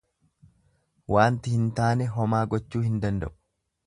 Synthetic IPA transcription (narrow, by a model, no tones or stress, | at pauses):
wʔaːnt̪ɪhɪnt̪aːnɛɦɔmaːɡɔt͡ʃːuːhɪnd̪ɐnd̪ɐ̰ʔʊ̥